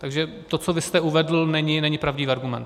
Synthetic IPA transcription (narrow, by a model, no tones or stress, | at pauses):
t̪aɡʒɛ | t̪ot͡sovɪst̪ɛuvɛdl̩nɛɲɪnɛɲɪpɾavɟɪvaɾɡumɛ̰nt̪